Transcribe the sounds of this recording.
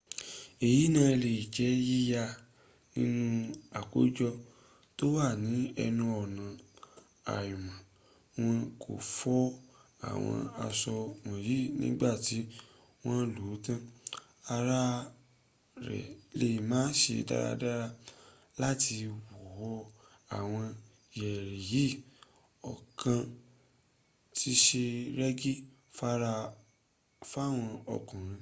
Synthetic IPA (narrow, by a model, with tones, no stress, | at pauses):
e˨ji˨˦nã˧le˨i˨d͡ʒɛ˨˦ji˦ja˧ | nĩ˦nũ˦a˨ko˨˦d͡ʒɔ˧ | to˦wa˦˨nĩ˨˦ɛ˧nũ˧ɔ˨nã˨ | a̰˨ju˨mã˨ | w̃ɔ̃˧kʰo̰˨fɔ˦a̰˨w̃ɔ̰̃˧a˧sɔ˧wɔ̃˨ji˦nḭ̃˦ɡ͡ba˦˨ti˨˦ | w̃ɔ̃˦loː˨˦tã˦ | a˧ɾa˦ | ɾɛ̰˨le˧˦i˨mãː˨˦n˦ʃḛ˧da̰˦ɾa̰˧da˦ɾa˧ | la˦tʰi˧wu˨hɔ˧ | a˨w̃ɔ̃˧ | i˨jɛ˨ɾe˨ji˦˨ | ɔ̰˨kã˧ | tʰi˦ʃe˧ɾɛ˦ɡi˦ | fa˦ɾa˧ | fa˦˨w̃ɔ̃˧ɔ̰˧kũ˨ɾ̃ĩ˧